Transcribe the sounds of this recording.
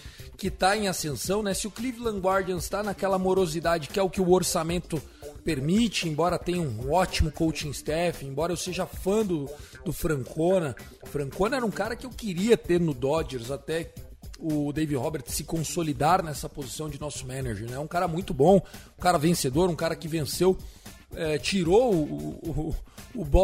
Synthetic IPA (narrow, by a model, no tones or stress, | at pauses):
kɪt̪aẽj̃asẽsɐ̃w̃nɛsɪʊklivlɐ̃ŋɡwaɾd͡ʒɐ̃st̪anakɛlɐamoɾozid̪ad͡ʒɪkɪɛʊkɪʊoɾsamẽnt̪ʊ | peɾmit͡ʃɪẽbɔɾɐt̪ẽjɐũɔt͡ʃimʊkowt͡ʃĩɪst̪ɛfɪẽbɔɾɐewseʒɐafɐ̃d̪ʊ | d̪ʊfɾɐ̃ŋkʰonɐ | fɾɐ̃ŋkõnɐɛɾɐũkaɾɐkɪewkɪɾiɐt̪eɾnʊd̪ɔd͡ʒeɾzat̪ɛ | ʊd̪ejvihɔbeɾt̪sɪkõsolid̪aɾnɛsɐpozisɐ̃w̃d͡ʒɪnɔsʊmɛ̃nɐʒeɾnɛɛũkaɾɐmũj̃t̪ʊbõũkaɾɐvẽsed̪oɾũkaɾɐkɪvẽsew | ɛt͡ʃiɾoʊ | ʊbɔ